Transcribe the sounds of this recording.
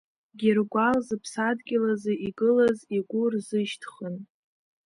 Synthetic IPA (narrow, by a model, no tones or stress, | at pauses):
ɡʲɪrɡʷalzɨpʰsadɡʲɪlazeiɡɨlaziɡʷʊrzɨʃtʰχən